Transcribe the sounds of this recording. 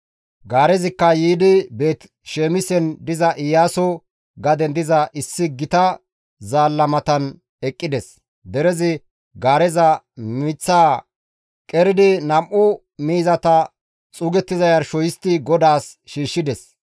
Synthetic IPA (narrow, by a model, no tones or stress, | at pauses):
ɡaːɾɛzɪkːɐjiːd̪ɪbe̞ːt̪ | ʃeːmɪsɛnd̪ɪzɐʔɪjːaːsɔ | ɡɐd̪ɛnd̪ɪzɐʔɪsːɪɡɪt̪ɐ | zaːlːɐmɐt̪ɐn | ɛkʼːɪd̪ɛs | d̪ɛɾɛzɪ | ɡaːɾɛzɐ | miːt͡sːaː | kʼɛɾɪd̪ɪnɐmʔʊ | miːzɐt̪ɐ | t͡sʼuːɡɛt̪ːɪzɐjɐɾʃɔjɪst̪ɪɡɔd̪aːsʃiːʃːɪd̪ɛs